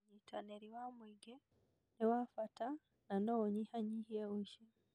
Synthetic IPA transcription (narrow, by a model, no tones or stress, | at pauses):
ɲitʰaneɾiwamwiɡe | niwafata | nanooɲihaɲihiewuʃe